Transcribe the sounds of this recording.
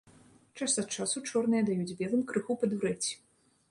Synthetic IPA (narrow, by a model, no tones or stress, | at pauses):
t͡ʂasɐt̪̚t͡ʂasut͡ʂɔrnɨjɐd̪ajud͡zʲbʲɛlˠɨmkɾɨxupɐd̪uɾɛt͡sʲːi̥